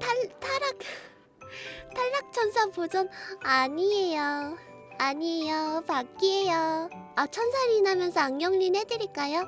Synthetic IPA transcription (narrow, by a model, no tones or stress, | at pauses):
tʰatʰaɾak̚ | tʰaʎːak̚t͡ɕʰʌnsʰapod͡ʑʌnaɲiejo | aɲiejopak͈iejʌat͡ɕʰʌnsʰaɾiːnamjʌnsʰʌaŋɡjʌŋʎinɦedɯɾik͈ajo